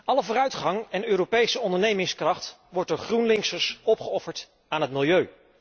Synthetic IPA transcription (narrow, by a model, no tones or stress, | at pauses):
ɑləvʊːɾœɥtχɑŋɛnøːropejsəɔndəɹnejmɪŋskrɑχt | ʋɔɹt̚dʊːɹχrunlɪŋsəsɔpχəɔfəɹt | aːnɦətmɪlˠjøɥ